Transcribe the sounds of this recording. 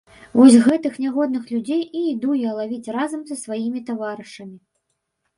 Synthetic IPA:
vɔsʲɣɛt̪ɨxnʲaɣɔd̪nɨxlʲud͡zʲejiːd̪ujɛlˠavʲit͡sʲrazɐmzɐsvajimʲit̪avaɾɨʂɐmʲi

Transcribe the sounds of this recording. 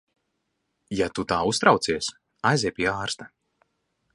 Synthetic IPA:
jat̪ut̪aːust̪ɾawt̪siɛs | ajziɛjpʲiɛaːɾst̪a

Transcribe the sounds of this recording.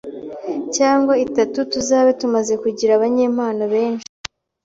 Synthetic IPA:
caːŋɡwaitatutuzaːβetumaze̞kuɟiɾaβaɲe̞ːmaːnoβe̞ːnʃi̥

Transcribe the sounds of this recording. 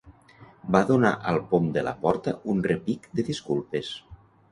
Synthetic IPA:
baðona̰ʔəlˠpomd̪əla̰pɔɾt̪əunrepikd̪əðiskulˠpes

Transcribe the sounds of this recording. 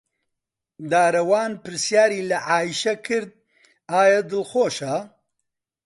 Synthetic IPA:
d̪aːɾɐwaːnpɨɾsjaːɾiːlɐʕaːjiʃɐkʰɨɾd̪̚ | aːjɐd̪ɨlxoːʃɐ

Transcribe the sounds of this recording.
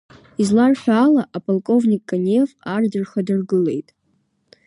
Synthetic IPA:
izlarħʷᶣaaːlaʔapʼalˠkʼo̞vnʲikʼːanevardɨrχadɨrɡɨle̞̰jtʼ

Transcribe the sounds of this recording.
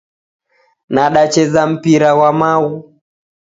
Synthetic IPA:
naɗat͡ʃɛzam̩piɾawamawu

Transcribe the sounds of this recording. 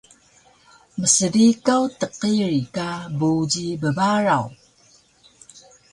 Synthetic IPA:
məsədikawtəqiɾikabud͡ʑibəbaɾaw

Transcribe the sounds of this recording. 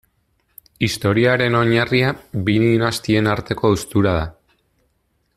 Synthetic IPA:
ist̪o̞ɾiaɾe̞no̞ɲariabininast̪ie̞naɾt̪e̞ko̞ust̪uɾað̞a

